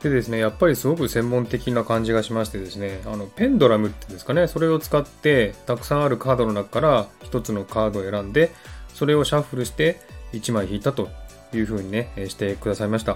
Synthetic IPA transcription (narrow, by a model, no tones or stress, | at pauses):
d̪̥e̞d̪e̞sɨne̞japːaɾʲisɨɡo̞kɯ̟sẽ̞mːõ̞nt̪e̞kʲinakãɲ̟d͡ʑiɡaɕimaɕi̥t̪e̞d̪e̞sɨne̞ano̞pẽ̞nd̪o̞ɾamɯ̟t̪ːend̪esɨ̥kane̞so̞ɾe̞o̞t͡sɨ̥kat̪ːe̞t̪akɯ̟̥sãɰ̃aɾɯ̟kaːd̪o̞no̞nakkaɾaçi̥t̪o̞t͡sɨno̞kaːd̪o̞e̞ɾãnd̪e̞so̞ɾe̞o̞ɕaɸɯ̟ɾɯ̟ɕi̥t̪e̞it͡ɕimaiçiːt̪at̪o̞ | jɯ̟ːɸɯ̟ːɲ̟ine̞ɕi̥t̪e̞kɯ̟d̪asaimaɕi̥t̪a